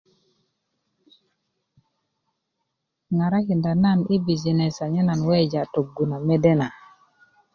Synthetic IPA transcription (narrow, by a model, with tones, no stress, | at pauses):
ŋa˨ɾa˦ki˨nda˨na˦˨ni˦bi˨d͡ʒi˨nɛ˨sa˨ɲɛ˦na˨nwɛ˦d͡ʒa˨to˨ɡːu˨na˨me˦de˦na˨